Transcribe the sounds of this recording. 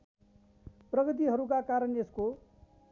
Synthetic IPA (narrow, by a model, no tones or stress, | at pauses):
prʌɡʌt̪̬iɦʌɾukakaɾʌnesko